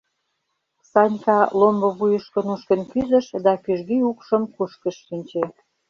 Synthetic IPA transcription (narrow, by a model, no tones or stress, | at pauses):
sɑnʲkɑlombŏβujəʃkə̆nuʃkə̆nkyzə̆ʃd̪ɑkyʒɣiukʃə̆mkuʃkə̆ʃːinʲt͡ɕe